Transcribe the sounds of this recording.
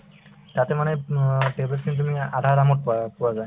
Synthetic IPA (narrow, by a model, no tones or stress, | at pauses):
t̪at̪emaneʈeblet̚kʰint̪̬umiad̪ʱaɾamoʈ̚ppɔwazae